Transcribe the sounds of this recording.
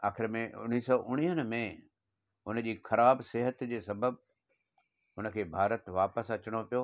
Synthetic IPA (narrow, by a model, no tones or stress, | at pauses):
aːxɪɾmẽʊ̰ñiːsɔːʔʊɽ̃iːɦənɪ̆mẽ | ʊn̆d͡ʑiːxɐɾaːbseɦət̪d͡ʑeːsɐbəb | ʊnə̆kʰeːbʱaːɾət̪ʋaːpəsɐt͡ɕəɽ̃opijo